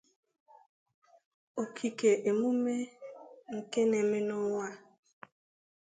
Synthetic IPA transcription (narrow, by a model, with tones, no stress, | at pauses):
o˨kʰi˨ke˨ʔe˨mu˦me˦ŋ̩˨ke˦ne˨mɪ˦nʊ˦wa˦